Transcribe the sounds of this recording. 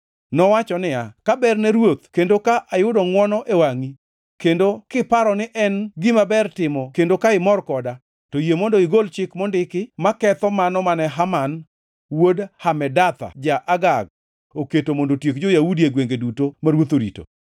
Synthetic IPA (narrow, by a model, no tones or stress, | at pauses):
nɔwat͡ʃɔnɪakabɛrnɛɾwot̪kendokaʔajʊdɔŋwɔnɔʔewaŋi | kendokɪpaɾɔnɪʔɛnɡɪmabɛrtɪmɔkendokaɪmɔrkɔda | tojemondoɪɡolt͡ʃɪkmɔndɪkɪmakɛt̪ɔmanɔmanɛɦaman | wodhamɛdat̪a̰d͡ʒaʔaɡaɡ̚ | oketomondotjekd͡ʒojawudieɡweŋɡedutomaɾwot̪oɾḭto̰